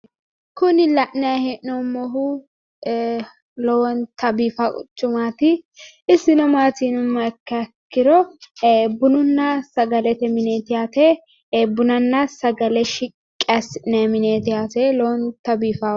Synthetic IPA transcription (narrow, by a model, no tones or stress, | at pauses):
kʊnɪlɐʔnɐjɐhɛʔnɔmɔɦʊ | lɔwɔnt̪ɐbiːfakʼʊ̰t͡ʃːʊmaːt̪ɪ | ɪsɪnɔmaːt̪inʊmːɐkːɐkːɪɾɔ | bʊnʊnːɐsɐɡɐlɛt̪ɛmɪneːt̪ɪjaːt̪ɛ | bʊnɐnːɐsɐɡɐlɛʃɪ | kʼːɐsɪnɛmɪneːt̪ɪjaːt̪ɛlɔwɔnt̪ɐbiːfa